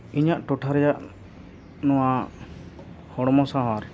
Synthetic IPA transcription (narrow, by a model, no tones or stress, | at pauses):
iɲaʔʈɔʈʰaɾɛjaʔ | nɔwa | hɔɽ̃ɔmɔsaɦaɾ